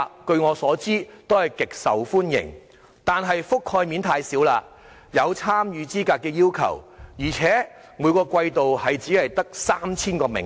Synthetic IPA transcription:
kɵ˧ɥŋɔː˨˧sɔː˨˥t͡siː˥t̪o˥whɐ˨jkɪ˨k̚sɐ̰˨wfuː˥njɪ̰˨˩ŋ | t̪aː˨˩nɦɐ˨jfʊ˥kʰːɔː˧jmi˨˥nt̪ʰaː˧jsiː˨˥wlaː˧ | jɐ˨˧wt͡sʰaː˥mjyː˨˧t͡siː˥kaː˧kːɛː˧jiː˥wkʰɐ̰˨˩wjiː˨˩t͡sʰɛː˨˥ | muː˨˧jkɔː˧kʷɐ˧jt̪o˨whɐ˨jt͡siː˨˥lɐ˨jt̪ɐ˥k̚saː˥mt͡sʰiː˥nkɔː˧mɪ̰˨˩ŋ

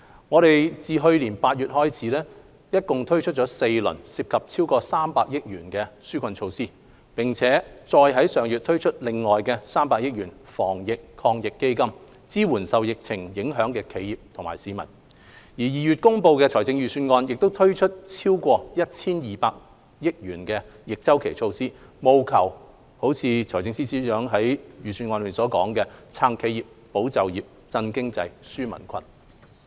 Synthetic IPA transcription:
ŋɔː˨˧ɾe˨jt͡siː˨ɦɵ˧ɥliː˨˩npaː˧t̚jyː˨t̚hɔː˥jt͡sʰiː˨˥lɛː˥ | jɐ˥t̚kʊ˨ŋt̪ʰɵ˥ɥt͡ʃʰɵ˥t͡ʃɔː˨˥se˧jlɵ̰˨˩nsiː˨p̚kʰɐ˨p̚t͡sʰiː˥wkɔː˧saː˥mpaː˧k̚jɪ˥k̚jyː˨˩nkɛː˧syː˥kʷʰɐ˧nt͡ʃʰo˧wsiː˥ | pɪ˨˩ŋt͡sʰɛː˨˥t͡sɔː˧jɦɐ˨˥jsœː˨˩ŋjyː˨t̪ʰɵ˥ɥt͡ʃʰɵ˥t̚lɪ˨ŋːɔː˨jkɛː˧saː˥mpaː˧k̚jɪ˥k̚jyː˨˩nfɔ̰ː˨˩ŋjɪ˨kkʰɔː˧ŋjɪ˨kːe˥jkɐ˥m | t͡siː˥wuː˨˩nsɐ˨wjɪ˨k̚t͡sʰɪ˨˩ŋjɪ˨˥ŋɦœː˨˥ŋkɛː˧kʰe˨˧jiː˨p̚t̪ʰʊ˨ŋma̰ː˨˩jsiː˨˧mɐ̰˨˩n | jiː˨˩jiː˨ɥy˨t̚kʊ˥ŋpo˧wkɛː˧t͡sʰɔː˨˩jt͡sɪ˧ŋjyː˨˩syː˧nŋɔː˧njɪ˨k̚t̪o˥wt̪ʰɵ˥ɥt͡ʃʰɵ˥t̚t͡sʰiː˥wkʷɔː˧jɐ˥t̚t͡sʰiː˥njiː˨˩paː˧k̚ | jɪ˥k̚ɥyː˨˩nkɛ˧ | jɪ˨k̚t͡sɐ˥wkʰe˨˩jt͡ʃʰo˧wsiː˥ | mo˨wkʰɐ˨˩w | ho˨˥wt͡sʰiː˧t͡ʃʰɔː˨˩jt͡sɪ˧ŋsiː˥siː˨˥œː˨˥ŋɦɐ˨˥jjyː˨˩syː˧nŋɔː˧n˧iː˨nsɔː˨˥kɔː˨˥ŋkɛ˧t͡sʰaː˧ŋkʰe˨˧jiː˨p̚ | po˨˥wt͡sɐ˨wjiː˨p̚ | t͡sɐ˧nkɪ˥ŋt͡sɐ˧jsyː˥mɐ̰˨˩nkʰɐ̰˧n

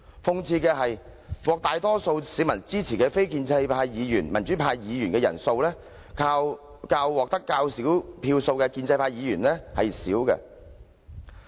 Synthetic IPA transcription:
fʊ˧ŋt͡sʰiː˧kɛː˧ɦɐ˨jwɔː˨k̚t̪aː˨jt̪ɔː˥so˧wsiː˨˥mɐ˨˩nt͡siː˥t͡sʰiː˨˩kɛː˧fe˥jkiː˧nt͡sɐ˧jpʰaː˧jjiː˨˧jyː˨˩nmɐ˨˩nt͡ʃyː˨˥pʰaː˧jjiː˨˧jyː˨˩nkɛː˧jɐ̰˨˩nso˧wlɛː˥ | kʰaː˧w | kaː˧wːɔː˨k̚t̪ɐ˥kːaː˧wsiː˨˥wpʰiː˧wso˧wkɛː˧kiː˧nt͡sɐ˧jpʰaː˧jiː˨˧jyː˨˩nlɛː˥hɐ˨jsiː˨˥wkɛ̰˧

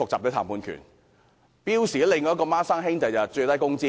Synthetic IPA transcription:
ʊ˨k̚t͡saː˨p̚t̪ːt̪ʰaː˨˩puː˨˧nkʰy̰˨˩n | piː˥wsiː˨˩ɐ˥lɪ˨ŋːɔː˨˦˥kɔː˧maː˥saː˥ŋɦɪ˥ŋt̪ɐ˧jt͡sɐ˨t͡ʃɵ˧t̪ɐ˥jkʊ˥ŋt͡siː˥

